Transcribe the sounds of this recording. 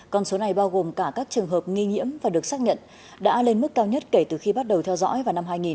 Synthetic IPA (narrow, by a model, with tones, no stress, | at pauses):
kɔ˧nso˨˦na˨˩jɓaː˧wɣo˨˩mkaː˧˩kaː˦˥k̚t͡ɕɨ˨˩əŋɦəː˨˩p̚ŋi˧ŋḭ˧˥əmvaː˨˩ɗɨ˨˩ək̚saː˦˥k̚ɲə̰˧˨n | ɗa̰ː˧˥le˧nmɨ˦˥kːaː˧wɲə˦˥t̚ke˧˩t̪ɨ˨˩xi˧ɓa˦˥t̚ɗə˨˩wt̪ʰɛ˧wzɔ̰˧˥jvaː˨˩na˧mɦaː˧jŋi˨˩n